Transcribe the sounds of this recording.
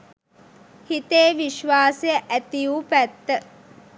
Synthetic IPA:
hit̪eːʋiʃʋaːsejəʔæt̪ijupæt̪ːə

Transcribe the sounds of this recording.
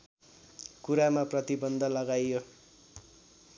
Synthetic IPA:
kuɾamaprʌt̪ibʌnd̪ʱʌlʌɡajjo

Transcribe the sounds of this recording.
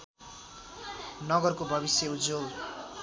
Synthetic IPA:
nʌɡʌrkobʱʌβisjeud͡zol

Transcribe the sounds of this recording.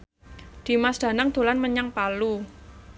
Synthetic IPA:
d̪̥i̤masd̪̥ä̤naŋd̪̥o̤lanməɲaŋpalu

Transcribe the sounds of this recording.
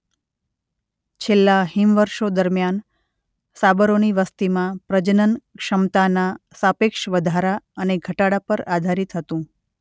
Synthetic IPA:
t͡ʃʰelːaɦimʋəɾʃod̪əɾmjan | sabəɾoniʋəst̪imãpɾəd͡ʒənənkʃəmt̪anasapekʃʋəd̪ʱaɾaəneɡʱəʈaɽapəɾad̪ʱaɾit̪ɦət̪ũ

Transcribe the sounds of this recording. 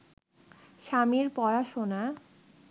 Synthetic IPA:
ʃamiɾpɔɾaʃona

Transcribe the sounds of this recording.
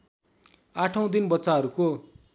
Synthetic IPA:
aʈʰʌ̃w̃d̪inbʌtsaɦʌɾuko

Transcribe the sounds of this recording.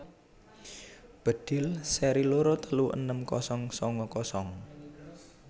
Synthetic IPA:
b̥ə̤d̪̥ɪ̤lsɛɾiloɾɔt̪əluʔə̰nəmkɔsɔŋsɔŋɔkɔsɔŋ

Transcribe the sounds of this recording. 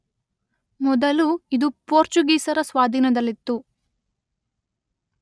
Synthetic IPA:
mɔd̪ɐluid̪upoːɾt͡ʃuɡiːsɐɾɐsʋaːd̪ʱiːnɐd̪ɐlːit̪ːu

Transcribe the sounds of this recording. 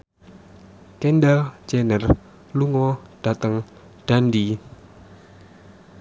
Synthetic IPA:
kɛndalt͡ʃɛnər | luŋɔd̥a̤t̪əŋ | d̥andi

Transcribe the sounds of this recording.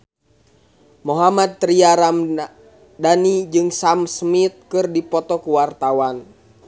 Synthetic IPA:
moɦamad̪̚ːɾiaɾam | danid͡ʒɨŋsamsmit̪̚kɨrdipɔt̪ɔkuwart̪awan

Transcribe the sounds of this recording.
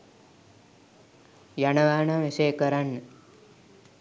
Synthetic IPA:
janəʋaːɳaʋesejkəɾanːə

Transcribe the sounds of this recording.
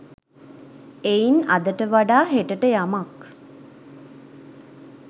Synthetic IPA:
einɐd̪əʈəʋaɖaːɦeʈəʈəjamak

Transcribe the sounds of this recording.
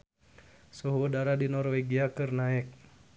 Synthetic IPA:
soɦwədaɾadinɔrweɡiakərnaɛk̚

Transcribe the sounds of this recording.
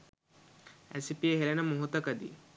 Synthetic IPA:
ɛ̰sipieɦelenamoɦot̪ɐkad̪ḭ

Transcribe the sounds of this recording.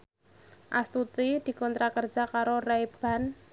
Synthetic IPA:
ʔa̰st̪ut̪id̪̥i̤kɔnt̪ɾakər̥d͡ʒ̥akaɾorajb̥a̤n

